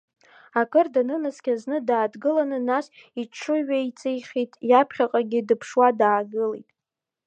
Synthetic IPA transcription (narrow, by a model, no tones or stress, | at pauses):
akʼɨrdanɨnɨskʲʼaznɨdaːdɡɨlanɨnasiʈ͡ʂʰɨɥait͡sʼejχʲitʼjapʰχʲaqʼaɡʲɪdɨpʰʂwadaːɡɨlijtʼ